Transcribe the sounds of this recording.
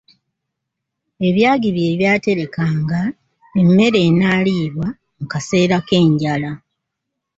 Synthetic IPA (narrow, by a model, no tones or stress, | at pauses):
e̞βjaːɡiβje̞ːβjaːte̞ɾe̞kaːŋɡa | emːe̞ɾe̞ːnaliːβwa | mukase̞ːɾake̞ːɲɟala